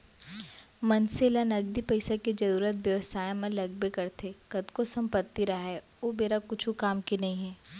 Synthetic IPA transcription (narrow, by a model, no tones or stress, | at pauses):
mɐnselanɐɡd̪ipɐɪsaked͡ʒɐɾuːɾət̪̚ʋjɐʋəsaːjmɐ̃lɐɡ̚bekɐɾt̪ʰekɐd̪kosɐ̃mpət̪ːiɾɐɦɦɛ | oːmeːɾakʊt͡ʃʰukaːmkinɐɦĩɦɛː